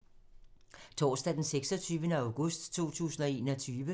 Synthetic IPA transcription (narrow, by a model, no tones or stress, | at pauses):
t͡sʰɒ̰ːsd̥æd̥enseɡ̥sɒ̽t͡sʰyːʋənəɑ̈ʊɡ̥ɔsd̥t͡sʰo̝̰ːt͡sʰṵːsn̩ɒ̽e̝ːnɒt͡sʰyːʋə